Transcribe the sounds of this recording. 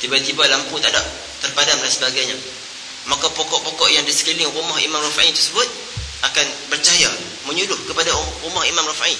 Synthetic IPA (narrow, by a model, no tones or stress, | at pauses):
t̪ibat̪ibalamput̪adaʔ | t̪ərpadamdansəbaɡajɲa | makapokɔʔpokɔʔjaŋdisə̥kilɪŋrumahḭmãmrafaʔit̪ərsəbʊt̪̚ | akanbərt͡ʃaja | mə̃ɲudʊhkəpadaɾumahimãmrafai